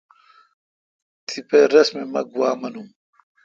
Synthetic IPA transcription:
t̪ʰipeɾɐsmemɐ̰ɡuaːmɐnum

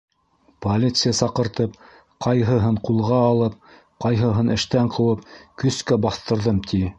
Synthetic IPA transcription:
polʲit̪sɨjasɑqɤ̆ɾt̪ɤp̚ | qʰɑjɦɤ̆ɦɤɴqulˠʁɑːlˠɤp̚ | qɑjɦɤ̆ɦɤnɘ̆ʃt̪æɴqʰɤ̆wɤp̚kɵ̆skæbɑθt̪ɤ̆ɾðɤmt̪ʰi

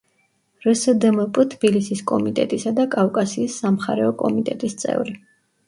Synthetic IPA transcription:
ɾəsəd̪əməpʼt̪ʰbilisiskʼɔmit̪ʼɛ̰t̪ʼisad̪akʼafkʼasiːsːamχa̰ɾɛɔkʼɔmit̪ʼɛt̪ʼist̪sʼɛ̰vɾi

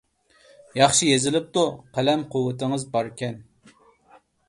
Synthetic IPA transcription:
jɑχʃijezɪlɪp̚t̪uqʰælɛmqʰʊwːɨt̪ɨŋəzbɑɾkʲɛn

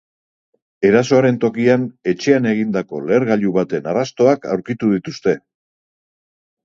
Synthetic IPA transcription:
e̞ɾaso̞aɾe̞nt̪o̞kiane̞t͡ʃe̞ane̞ɣ̞ind̪ako̞le̞ːɾɣaʎuβat̪e̞narast̪o̞aka̰wɾkit̪uðit̪ust̪e̞

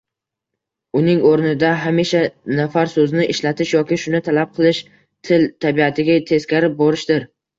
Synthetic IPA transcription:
ʊnɪŋoɾnɪd̪aɦamiʃanafaɾsɵznɪʔɪʃlat̪ʰɪʃjɒkʲɪʃʊnɪt̪ʰalap̚qʰɨlˠɪʃ | t̪ʰɪlt̪ʰabiat̪ʰɪɡʲat̪ʰe̞skʲaɾɪp̚boɾɪʃd̪ɪɾ

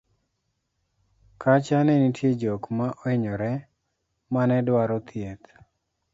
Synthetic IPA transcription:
kʰat͡ʃanɛnitjed͡ʒɔkmaʔɔɪɲɔɾɛ | manɛdwaɾɔt̪ʰjet̪

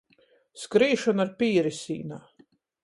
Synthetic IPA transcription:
skɾiːʃɔnaɾpʲiːɾisʲḭːnaː

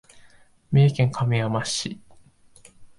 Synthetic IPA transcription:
mʲeːkʲẽŋkʰamʲiamaɕi

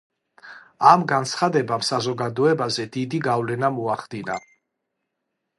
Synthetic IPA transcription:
amɡant̪sʰχad̪ɛbamsazɔɡad̪ɔɛbazɛd̪id̪iɡavlɛnamɔaχd̪ina̰

